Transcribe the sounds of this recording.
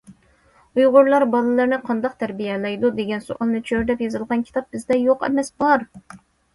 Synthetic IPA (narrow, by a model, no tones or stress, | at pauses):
ujʁʊɾlˠɑɾbɑlˠɨlˠɨɾnɨqʰɑnd̪ɑq̚t̪ʰɛɾbijɛlˠɛjd̪ud̪eɡʲɛnso̰ʔɑlˠnɨt͡ʃʰøɾd̪ɛpjɨzɨlˠʁɑnkʲʰi̥t̪ʰɑp̚bɪzd̪ɛjoqɛ̰mɛsbɑɾ